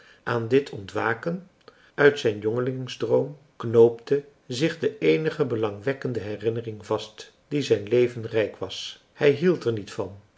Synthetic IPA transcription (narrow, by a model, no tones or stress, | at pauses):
ʔaːndɪtʰɔntʋaːkən | œɥtsɛjnjɔŋəlɪŋŋzdrowm | knowptə | zɪχdəejnəχəbəlɑŋʋɛkəndəɦɛrɪnərɪŋvɑst | d̥izɛjnlejvənrɛjkʋɑs | hɛjɦilˠtɛɹnitfɑn